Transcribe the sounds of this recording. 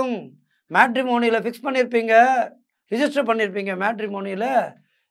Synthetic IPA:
ɯm | maːʈɾɪmoːnɪjɪlɐfɪkspɐɳːɪɾɯp̬ːiːŋɡɐ | ɾɪd͡ʒɪsʈɾɐpɐɳːɪɾɯp̬ːiːŋɡɐmaːʈɾɪmoːnɪɪlɐ

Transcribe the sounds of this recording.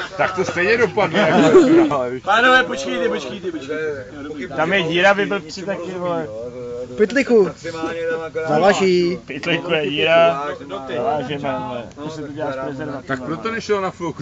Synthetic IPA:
t̪ak̚t̪ost̪ɛjɲɛdopadlakalanoɛpot͡ʃkɛjt̪ɛpot͡ʃkɛjt̪ɛpot͡ʃkɛj̪ | t̪amjɛjiːɾavɪbɪlpsɪt̪akɪdvolɛ | pɪt̪lɪku | zavaʒiːpɪt̪lɪkujɛjiːɾazavaːʒɛmɛɛt̪osɛt̪uɟɛlaːʃpɾɛzɛɾvat͡s̪akpɾot̪onɛʃɛlnafɪlk

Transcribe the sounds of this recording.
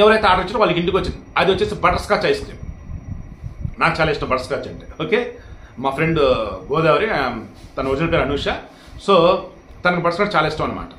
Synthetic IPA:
ɛʋɐɾɐjt̪eaːɖɐɾiɲt͡ʃːɐʋaːlːɐkiɳʈikʋɐt͡ʃːind̪iɐd̪iʋɐt͡ʃːeːsibɐʈɐɾskaːt͡ʃɐjist̪ḛ | naːk̚t͡ʃaːlaiːsʈːɐmbɐʈɐɾskaːt͡ʃːɐɳʈeːoːkeːmaːpʰɾeɳɖɡɔːd̪aːʋɐɾit̪ɐnɐud͡ʒɐnɐlpeːɾɐnuːʂa | soː | t̪ɐnɐkibɐʈɐɾskaːʈt͡ʃaːlaiːsʈɐːmɐnɐma̰ːʈɐ̥

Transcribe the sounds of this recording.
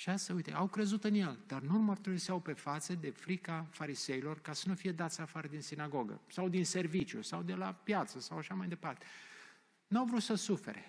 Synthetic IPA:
ʃiasujt̪ḛʔawkɾe̞zut̪ɨnje̞ld̪̥arnulmərt̪uɾisiawpe̞fat̪səd̪e̞fɾikafaɾise̞ilo̞rkasənufijed̪at̪sʲafaɾəd̪insinaɡo̞ɡə̰sawd̪inse̞rvit͡ʃjṵsawd̪e̞lapjat̪səsawaʃamajd̪e̞part̪e̞̥ | nuawvɾut̪səsufḛɾe̞̰

